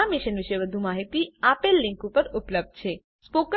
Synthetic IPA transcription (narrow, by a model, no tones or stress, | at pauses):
amiʃənʋiʃeʋəd̪ʱumaɦit̪iapelːĩŋkupəɾupləb̚d̪̚t͡ʃʰe | spokə